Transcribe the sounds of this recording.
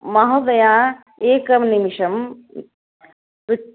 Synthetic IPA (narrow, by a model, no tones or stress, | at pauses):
mɐɦɐd̪ɐjaː | eːkɐmnimiʂɐm